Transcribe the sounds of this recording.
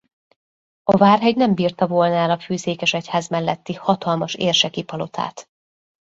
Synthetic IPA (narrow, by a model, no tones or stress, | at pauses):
ɒvaːrɦɛɟnɛmbiːrt̪ɒvolnaːlɒfyːzeːkɛʃɛchaːzmɛlːɛt̪ːihɒt̪ɒlmɒʃḛːrʃɛkipɒlo̞t̪ʰa̰ːt̪